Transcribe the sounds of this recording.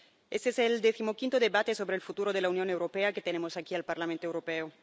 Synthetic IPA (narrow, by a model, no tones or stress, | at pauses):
est̪eeseld̪eθimokint̪oðeβat̪esoβɾeːlfut̪uɾoðelaunjonewɾopeaket̪enemosakialpaɾlamẽnt̪oewɾopeo